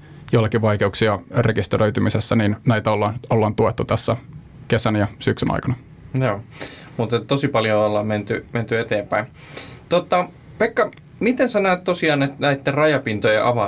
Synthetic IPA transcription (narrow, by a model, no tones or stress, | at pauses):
joilːɑkiʋɑikeuksiɑrekist̪eɾøyt̪ymisesːæniːnnæit̪æolːɑːnolːɑːnt̪uet̪ːut̪æsːæ | kesænjɑsyksynɑ̰jkɑnɑ | joː | mut̪et̪tosipɑljoolːɑːmment̪yment̪yet̪eːmpæin | t̪ot̪ɑ | pekːɑ | mit̪ensɑnoet̪t̪osiɑːnet̪næit̪ːerɑjɑpint̪ojeʔɑʋɑ